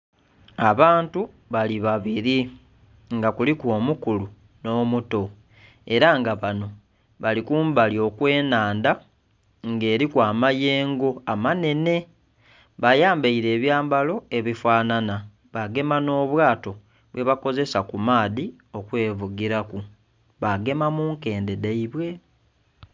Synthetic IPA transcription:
aβaːntu | βaliβaβiɾi | ŋɡakulikwo̞ːmukulu | no̞ːmuto̞ | e̞ɾaŋɡaβano̞ | βalikuːmbalio̞kwe̞ːnaːnda | ŋɡe̞ːɾikwaːmaje̞ːŋɡo̞amane̞ne̞ | βajaːmbaiɾe̞ːβjaːmbalo̞e̞βifwaːnana | βaɡe̞mano̞ːβwaːto̞ | βwʔe̞βako̞ze̞sakumaːði | o̞kwe̞ːvuɡiɾaku | βaɡe̞mamuŋke̞ːnde̞daiβwe̞

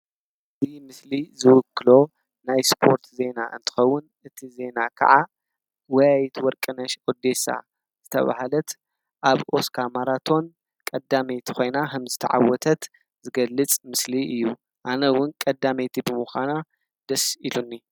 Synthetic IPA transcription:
ɨɨzimɨslizɨwʊkːɨlo̞ | najspʰo̞ɾt̪ʰze̞na̰ʔɨ̰nt̪ʰɨ̥xɐwːʊn | ɨt̪ʰize̞nakʰɐ̰ʕa | wɔjajit̪wɔɾkʼɨnɐʃod̪e̞sa̰ | z̥ɨt̪ʰɐ̰βa̰halɐt̪ | ʔaβʔo̞skʰamaɾat̪ʰo̞n | kʼɐd̪ːamet̪ʰi̥kʰo̞jnaɦɨmzɨt̪ʰɐ̰ʕa̰wːɔt̪ʰɐt̪ | zɨɡɐlːɨt͡sʼmɨsliɨjːu | ʔanɐwʊnkʼɐd̪ːamet̪ʰibɨmuxa̰na | d̪ɐsilunːi

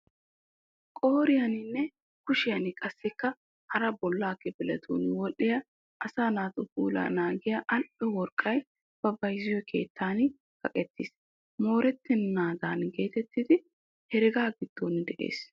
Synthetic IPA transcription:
kʼoːɾɪjɐnɪnːɛ | kʊʃɪjɐnɪkʼɐsːɪkːɐ | hɐɾɐbɔlːaːkːɛbɪlɐt̪ʰṵːnwɔʔɪjɐ | ʔɐsaːnaːt̪ʼʊbuːla̰ːnaːɡɪjɐʔɐlpʼːɛwɔɾkʼːɐj | b̥ɐbɐjzɪjɔkʰe̞̰ːt̪ːaːn | kʼɐkʼɛt̪ːɪs | mo̞ːɾɛt̪ːɪnːaːd̪aːnɡe̞ːt̪ɛt̪ːɪd̪ɪ | hɛɾɪɡaːɡɪd̪̥ːoːnd̪ɛʔe̞̰ːs

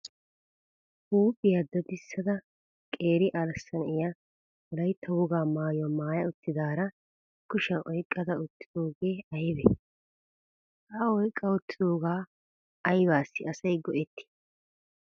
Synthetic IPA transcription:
huːbɪjɐd̪ːɐd̪ɪsːɐd̪ɐ | kʼeːɾɪʔalɐsːɐnɪja | mɔlɐjt̪ʰːɐwɔɡaːmaːjɔmaːjɐʊt̪ːɪd̪aːɾɐ | kːʊʃɛʔɔjkʼːɐd̪ɐʊt̪ːɪ̥d̪̥o̞ːɡe̞ːɐjbɛ | ɐɔjkʼːɐʊt̪ːɪ̥d̪o̞ːɡaː | ɐjbaːsːɪɐsɐjɡɔʔɛt̪ːɪ̥

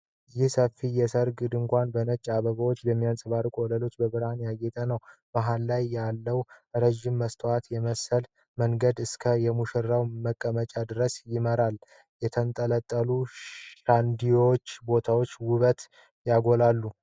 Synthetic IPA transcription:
jɪhsəfːijɛsəɾɡɨd̪ɨŋkʷanbənət͡ʃʼːaβəɡəwo̞t͡ʃːbɛmːijansʼɨβaɾkʼɔləlo̞t͡ʃːbəβɨɾhanjaɡɛt̪ʼənəwbaɦalːajːalːəwɾəʒːɪmːəst̪ʰʼoat̪jɛməsəl | məŋɡəd̪ɨskʰəjɛmuʃɛɾːawməkʼːəmət͡ʃʼad̪ɨɾəsjɪməɾal | jɛt̪ʰənt̪ʼələt̪ʼːəluʃand̪ijot͡ʃːbo̞t̪ʰawo̞t͡ʃːwʊβət̪ | jaɡo̞lalːu

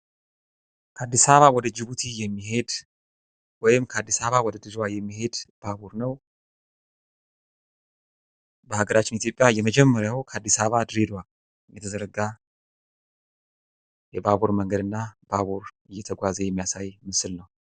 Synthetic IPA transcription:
kʰəad̪ːisaββawɔd̪əd͡ʒɪβut̪ʰijɛmːihe̞d̪ | wɔjɪmkʰəad̪ːisaβawɔd̪əd̪ɨzwajɛmːiɦe̞d̪̥b̥abuɾnəw | bəhaɡəɾat͡ʃːɪnit̪ʰjo̞pʼjajɛməd͡ʒɛmːəɾjawkʰəad̪ːisaβad̪ɨɾed̪wal | ɨjɛt̪ʰəzəɾəɡa | jɛbaβuɾməŋɡəd̪ɨnːabaβuɾɨjːɛt̪ʰəɡʷazejɛmːijasajmɨsɨlnəw

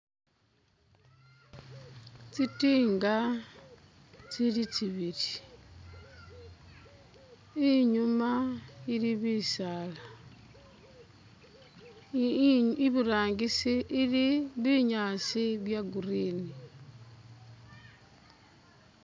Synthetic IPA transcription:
t͡sitiːŋɡa | t͡silit͡ʃiβiɾi | iɲumailiβiːsaːla | iβuɾaːŋɡisiʔːliβiɲaːsiβjaɡuɾiːni

